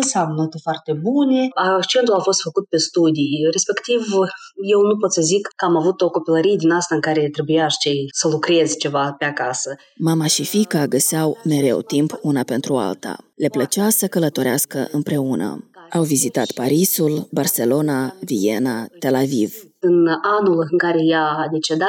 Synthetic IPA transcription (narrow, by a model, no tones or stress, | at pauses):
nsamnət̪efoart̪e̞bune̞akt͡ʃe̞nt̪ulafo̞st̪fəkut̪̚pe̞st̪ud̪ijre̞spe̞kt̪ivje̞wnup̬o̞t̪səzikkəamavut̪o̞ko̞piləɾijed̪inast̪aɨŋkaɾe̞t̪ɾe̞bujaʃt͡ʃejsəlukɾe̞zʲt͡ʃe̞vape̞akasə | mamaʃifikaɡəseawme̞ɾe̞̰wt̪impunape̞nt̪ɾua̰lt̪a̰le̞plət͡ʃasəkələt̪o̞ɾeaskəʔɨmpɾe̞unə̰awvizit̪at̪paɾisulbarse̞lo̞navije̞nat̪e̞laviv | ɨnanulɨŋkaɾe̞jad̪e̞t͡ʃe̞d̪at̪